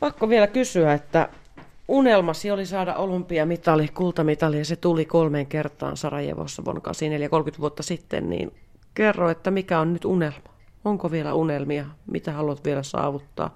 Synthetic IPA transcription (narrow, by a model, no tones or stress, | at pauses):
pɑkːoʋielækysyæet̪ːæ̰ | unelmɑsiolisɑːdɑ̰ʔolumpiɑmit̪ɑlihkult̪ɑmit̪ɑlijɑset̪ulikolmeːŋkert̪ˑɑ̰ːnsɑrɑjḛʋo̰sːɑʋo̰nkɑ̰siːneljækolkyt̪ʋuot̪ːɑsit̪ːḛnnḭːn | kerːoet̪ːæmikæonnyt̪unelmɑ̥ | oŋkoʋielæ̰ʔunelmiɑmḭt̪æhɑluɑt̪ʋielæsɑ̰ːʋut̪ːɑ̰ː